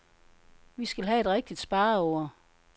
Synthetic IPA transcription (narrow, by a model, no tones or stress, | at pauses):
ʋisɡ̥ælɦæe̝d̥ʁeɡ̥̚d̥id̥sb̥ɑ̈ːɒʊ̰ɐ